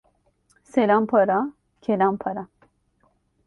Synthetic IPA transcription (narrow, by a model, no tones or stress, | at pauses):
selampʰɐɾa | kʰelampʰɐɾa